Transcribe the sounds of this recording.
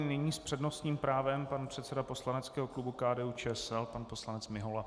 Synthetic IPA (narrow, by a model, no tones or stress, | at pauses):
nɪɲiːspr̥ɛdno̞st̪ɲiːmpɾaːvɛmpanpr̝̥ɛt̪sɛdaposlanɛt͡skɛːɦoklubukaːdɛːut͡ʃɛsɛlpanpo̞slanɛt͡smɪɦola